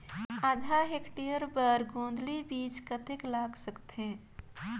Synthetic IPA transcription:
aːd̪ʱaɦekʈijəɾbəɾɡõːnd̪libiːt͡ʃkət̪ɪklaːɡsəkt̪ẽ

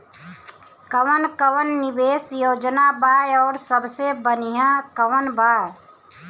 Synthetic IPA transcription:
kəʋənkəʋənːɪbeːsjoːd͡ʒnabajɔːɾsəbsebənijãkəʋənbaːj

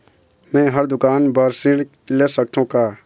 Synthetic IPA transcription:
mɛ̃ːɦəɾd̪ʊkaːnbaɾsɪɽ | leːsəkt̪ʰõkaː

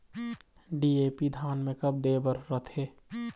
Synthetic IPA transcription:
ɖieːpid̪ʱaːnmẽkəb̚d̪eːbəɾːət̪ɦeː

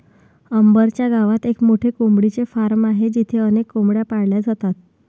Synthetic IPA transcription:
əmbəɾt͡ɕjaɡaʋat̪ekmoʈʰekombɽit͡sefaɾmaɦed͡ʑit̪ʰeənekːomɽjapaɽljad͡zʱat̪at̪

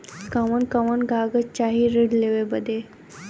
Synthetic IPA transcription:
kəʋənkəʋənɡʱaɡət͡ɕaɦiɾiɽleʋebəd̪e

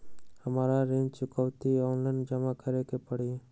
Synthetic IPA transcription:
həmaːɾaɾẽɲd͡ʒt͡ʃʊkəwt̪iɔːnlaɪnd͡ʒəmakʰəɾekepəɽi

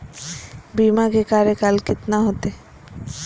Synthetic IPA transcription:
bimaɡekaɾekalkit̪naɦot̪e

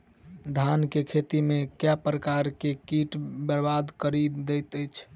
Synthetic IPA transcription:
d̪ʱankekʰet̪imekjapɾəkaɾkekiʈbəɾbad̪kəɾid̪əjt̪əjt͡ʃʰ

